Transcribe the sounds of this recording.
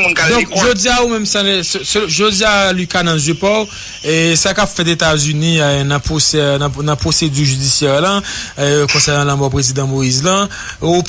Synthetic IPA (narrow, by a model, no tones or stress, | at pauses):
d̪ɔ̃kʒod͡ziaumɛ̃msãlɛssʒod͡zialykanãzjøpɔw | ɛsakapfɛt̪̬et̪azynĩnãposɛñnãpʁosed͡zyʁʒyd͡zisjɛʁla | kɔ̃sɛʁnãlãmɔpʁezid̪ãmoizlã | up